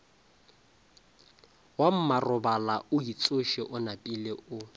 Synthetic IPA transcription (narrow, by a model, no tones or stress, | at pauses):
wam̩marʊbalaʊit͡sʼoʃeʔʊnapʼileʊ